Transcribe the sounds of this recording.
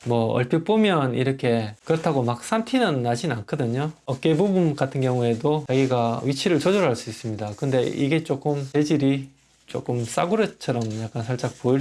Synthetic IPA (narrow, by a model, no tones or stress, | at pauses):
mwʌʌ̰ɭp͈jip͈omjʌniɾʌkʰe̞kɯɾʌtʰaɡomak̚s͈antʰinɯnːad͡ʑinankʰʌdɯɲoʌk͈ebubunkatʰɯnɡjʌŋue̞dot͡ɕaɡiɡaɥit͡ɕʰiɾɯɭt͡ɕod͡ʑoɾɦaɭs͈uis͈ɯmɲidakɯnde̞iɡe̞t͡ɕ͈ok͈ɯmte̞d͡ʑiɾi | t͡ɕ͈o̰k͈ɯms͈a̰ɡuɾet͡ɕʰʌɾʌmjak͈ansʰaɭt͡ɕ͈ak̚p͈oi